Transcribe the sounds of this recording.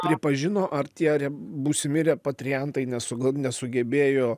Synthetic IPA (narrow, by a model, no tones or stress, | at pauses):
pʲɾʲɪpɐʒʲɪnoːʔɐrt̪ʲiɛɐɾʲɛbuːsʲɪmʲɪɾʲɛːpɐt̪ʲɾʲɪjɛnt̪ɐɪnʲɛsʊɡɐnʲɛsʊɡʲɛbʲeːjoː